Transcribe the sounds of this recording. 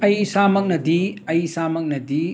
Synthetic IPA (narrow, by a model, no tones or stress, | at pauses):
ɐjsamɐk̚nɐdiɐjsamɐk̚nɐdi